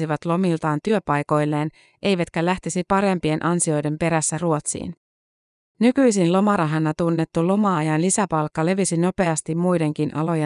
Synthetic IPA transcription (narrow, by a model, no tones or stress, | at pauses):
iʋɑt̪lo̞milt̪ɑːnt̪yøpɑjko̞jlːe̞ːn | ʔe̞jʋæt̪kælæht̪esipɑɾe̞mpie̞nʔɑnsio̞jde̞mpe̞ɾæsːæruo̞t̪sḭːn | nykyjsinlo̞mɑɾɑɦɑnːɑt̪unːe̞t̪ːulo̞mɑɑjɑnlisæpɑlkːɑle̞ʋisino̞pe̞ɑst̪immujde̞ŋk̟inʔɑ̰lo̞je